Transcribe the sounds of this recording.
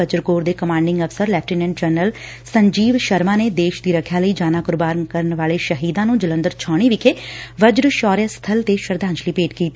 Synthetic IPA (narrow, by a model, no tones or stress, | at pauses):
əd͡ʒɾkoːɾd̪eːkəmãːɳɖɪ̃ŋɡəfsəɾlɛːp̚ʰʈiːnɛ̃ːɖd͡ʒəːnəl | səɲd͡ʒiːʋʃəɾmãːneːd̪eːʃd̪iːɾəkʰːjaːləiːd͡ʒaːnaːkʊɾbaːɾnkəɾənʋaːleːʃəɦiːd̪ãːnũːd͡ʒələ̃nd̪əɾt͡ʃʰɔːɽ̃iːʋɪkʰeːʋəd͡ʒɾʃɔːɾjaːst̪ʰəlt̪eʃəɾd̪ãːɲt͡ʃliːpeːʈkiːt̪ː